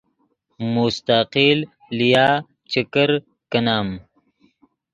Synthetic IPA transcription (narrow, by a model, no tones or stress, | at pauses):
must̪aqilː | ijaː | t͡ʃəkəɾ | kɐnaːm